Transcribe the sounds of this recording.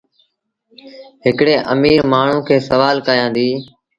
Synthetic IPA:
ɦɪkɽeːʔəmiːɾmaːɳ̤ũːkʰeːsəʋaːlkəjãːnd̪iː

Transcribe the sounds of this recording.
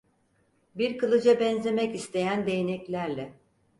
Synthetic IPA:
biɾkɯlˠɯd͡ʒabɛnzʲe̞mɛcist̪ʰe̞jænd̪e̞jenɛclʲæɾlʲɛ

